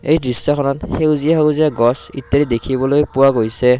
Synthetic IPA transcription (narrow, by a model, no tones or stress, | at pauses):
ejdɹisːɔkʰɔnɔtxewzijaɦeziaɡɔsḭt̪ːeɾid̪ekʰibɔlojpuwaɡojsɛ